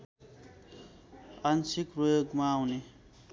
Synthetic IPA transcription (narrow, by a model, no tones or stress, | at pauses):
ansikrojoɡmaːwne